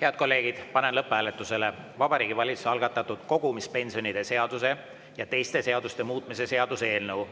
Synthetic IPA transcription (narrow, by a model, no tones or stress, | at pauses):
he̞ɑd̪̚ko̞lːe̞ːɡ̥id̪̥pɑne̞nlɤpːˑæːlet̪ːˑuse̞le̞ | vɑb̥ɑɾiːɡ̥ivɑlʲit̪su̥seɑlɡ̥ɑt̪ːˑɑt̪ːˑud̪̥ko̞ɡ̥umispe̞nʲsio̞nid̪̥e̞se̞ɑd̪use̞ | jɑt̪e̞jst̪e̞se̞ɑd̪̥ust̪e̞muːt̪ˑmise̞se̞ɑd̪̥usee̞ːlnɤw